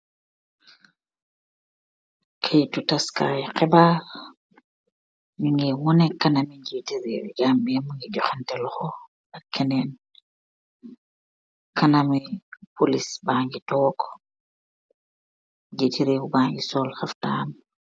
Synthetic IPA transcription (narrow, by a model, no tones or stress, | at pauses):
kʰejtutaska̰ːjɛkɛbaɾ | miŋɡɛwɔnɛkanamid͡ʒetiɾewd͡ʒamɓijamiŋɡɛd͡ʒɔxantɛlɔxɔ | akʰːɛnɛn | kanamipolisbaːŋɡitɔːkɔ̥ | d͡ʒetiɾeːwubaŋɡisɔlxaftaːm